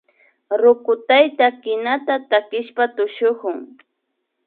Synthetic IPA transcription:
ɾʊkʊt̪ajt̪akɪnat̪at̪akɪʃpat̪ʊʃokʊŋ

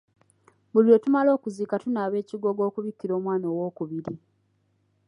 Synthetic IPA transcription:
βulio̞tumalo̞ːkuziːkatunaːβe̞ːciɡo̞ɡo̞ːkuβikːiɾo̞ːmwaːnoːwoːkuβiɾi

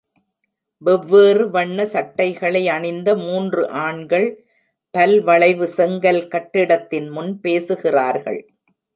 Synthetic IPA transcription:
ʋɛʋːeːrɯʋɐɳːɐsɐʈːɐɪɣɐɭɐɪɐɳɪnd̪ɐmuːndrɯʔaːɳɡɐɭ | pɐlʋɐɭɐɪʋɯsɛŋɡɐlkɐʈːɪɽɐt̪ːɪnmʊnpeːsɯɣɪraːɾɣɐ̰ɭ

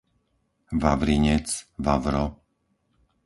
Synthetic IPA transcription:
ʋaʋɾiɲɛt͡sʋaʋɾɔ

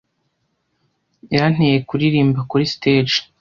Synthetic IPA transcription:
jan̥ejekuɾiɾiːmbakuɾisted͡ʒ

